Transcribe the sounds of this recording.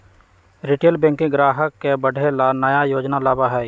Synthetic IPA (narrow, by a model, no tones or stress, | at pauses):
ɾɪʈeːlbɛ̃ːŋkɪ̃ɡɾaːɦəkːebəɖʱelanəjajoːd͡ʒnalaːbaɦɛː